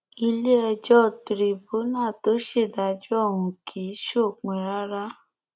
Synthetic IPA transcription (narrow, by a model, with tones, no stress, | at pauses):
i˧le˦ɛ˧d͡ʒɔ˦˨tɾi˨bu˨˦nãː˦˨to˨˦ʃe˦˨da˧˨d͡ʒu˦ɔ˦˨ɦũ˨kʰi˨˦ʃo˦˨k͡pẽ˨ɾa˦ɾa˦